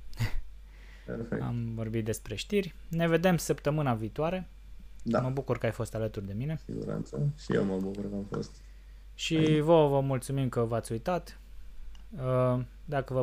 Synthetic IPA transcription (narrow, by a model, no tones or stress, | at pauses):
pefḛa̰mvo̞rbit̪̚d̪e̞spɾe̞ʃt̪irʲne̞ve̞d̪e̞msəpt̪əmɨnaviːt̪oaɾe̞ | d̪aməbukurkəajfo̞st̪alət̪urd̪e̞mine̞ḭɡṵɾa̰nt̪səʃijḛwməbukuɾkəamfo̰st̪ | ʃivəvəmult̪sumimkəvəat̪sʲujt̪at̪ | ə | d̪akəvə